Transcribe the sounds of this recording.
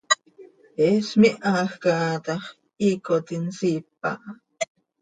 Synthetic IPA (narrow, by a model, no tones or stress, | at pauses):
eːsmiʔaxkaːt̪ɑχ | iːkot̪insiːpːa̰ʔ